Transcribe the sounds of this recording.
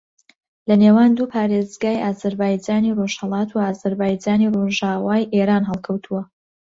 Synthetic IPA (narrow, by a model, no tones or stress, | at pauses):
lɐneːwaːnd̪uːpʰaːɾezɡaːjʔaːzɐɾbaːjd͡ʒaːniroʃhəlˠɑːt̪ʰuaːzɐɾbaːjd͡ʒaːniroʒaːwaːjʔeɾaːnɦɛlˠkʰɐwt̪ʰuwɐ